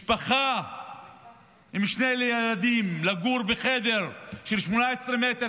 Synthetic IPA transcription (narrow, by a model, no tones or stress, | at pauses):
paχa | imʃnejlejalad̪imlaɡuɾbeχed̪e̞ʁʃelʃmonaesʁemet̪e